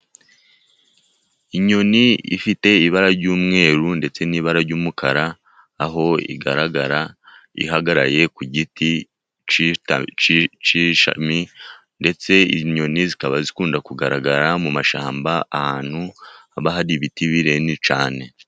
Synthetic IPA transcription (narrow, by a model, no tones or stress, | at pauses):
iɲoniḭfite̞iβaɾaɾɟuːmŋe̞ːɾunde̞t͡se̞niːβaɾaɾɟuːmukaɾaː | ɦo̞ḭɡa̰ɾaɡaɾa | ḭhaɡaɾaje̞kuɟiti | t͡ʃt͡ʃt͡ʃiʃa̰mi | nde̞t͡se̞iɲo̞nizikaβazikuːndakuɡaɾaɡaɾamumaʃaːmbaahaːn̥huaβaɦaɾiβitiβiɾe̞nit͡ʃaːne̞